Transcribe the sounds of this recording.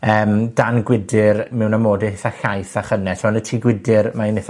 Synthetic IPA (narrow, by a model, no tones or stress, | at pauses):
əːmd̥anɡwɪdɪrmɛwnamoːdɪhɪθaɬajθaχənɛsʰɔnətʰiːɡwɪdɪrmanɪθ